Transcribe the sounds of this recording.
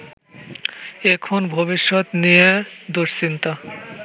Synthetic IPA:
ekʰonbʱobiʃːot̪nijed̪oʃsint̪a

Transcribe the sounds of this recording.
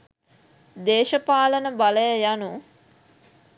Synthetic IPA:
d̪eːʃəpaːlənəbaləjəjanu

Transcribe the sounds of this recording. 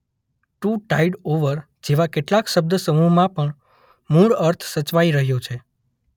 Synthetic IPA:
ʈuʈaiɖoʋəɾ | d͡ʒeʋakeʈlakʃəb̚d̪əsəmumãpəɳ | muɭəɾt̪ʰsət͡ʃʋaiɾəɦjot͡ʃʰe

